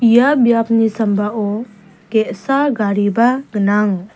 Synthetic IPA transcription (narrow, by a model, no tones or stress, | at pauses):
ijabijapnisambaʔɔ | kɛʔsaɡaɾibaɡənaŋ